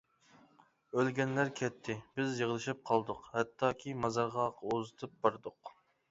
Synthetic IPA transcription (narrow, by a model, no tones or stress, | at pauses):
ølɡʲɛnlæɾkʲʰɛt̪ʰːɪbɪzjəʁlˠɨʃɪp̚qʰɑlˠd̪ʊqhɛt̪ʰːɑːkʲʰimɑzɑɾʁɑqʰozɨt̪ʰɨp̚bɑɾd̪ʊq